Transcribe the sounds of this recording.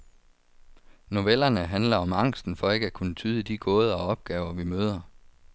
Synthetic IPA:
no̝ʋel̰ɐnəɦænlɐɒ̽mɑ̈ŋ̰sd̥n̩fɒ̽e̝ɡ̥əækʰunət͡sʰyːð̞ˠəd̥iɡ̥ɔ̽ːð̞ˠɐɒ̽ɒ̽b̥̚ɡ̥ɛːʊɐʋimøːð̞ˠɐ

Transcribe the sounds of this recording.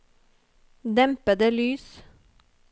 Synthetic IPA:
d̪ɛmpəd̪əlyːs

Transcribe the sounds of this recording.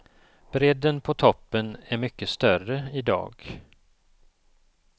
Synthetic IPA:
b̥ɾɛd̪ːənpʰɔt̪ʰɔpːənæɾmʏkːəst̪œrəɪd̪ɑ̰ːɡ

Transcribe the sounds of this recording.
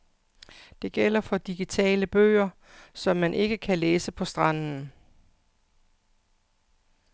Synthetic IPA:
d̥e̝ɡ̥el̰ɐfɒ̽d̥iɡ̥it͡sʰɛ̰ːləb̥ø̰ːɐ | sɒ̽mːænʔe̝ɡ̥əkʰæleːsəpʰɒ̽sd̥ʁɑ̈n̰n̩

